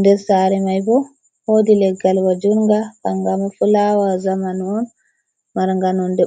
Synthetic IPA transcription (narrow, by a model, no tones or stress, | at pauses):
ndɛɾsaːɾɛmajbɔ | hodilɛɡalwad͡ʒuɾŋɡaaŋɡamafulawazamanɔn | maɾŋɡanɔndɛ